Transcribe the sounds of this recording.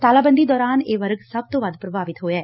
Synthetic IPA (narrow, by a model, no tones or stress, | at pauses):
t̪aːlaːbə̃nd̪iːd̪ɔːɾaːneːʋəɾɡsəb̚t̪õːʋəd̪pɾəbaːʋɪt̪ɦoːɛː